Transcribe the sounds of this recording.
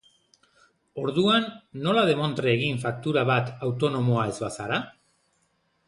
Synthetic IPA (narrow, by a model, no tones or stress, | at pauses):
o̞ɾðuanːo̞lað̞e̞mo̞nt̪ɾeːɣiɱfak̚t̪uɾaβat̪awt̪o̞no̞moae̞zβasaɾa